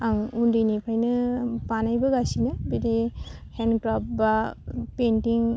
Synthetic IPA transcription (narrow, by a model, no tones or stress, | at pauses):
aŋundinipʰajnɯpanajbaɡasinɯbidehenkɾap̚bapentiŋ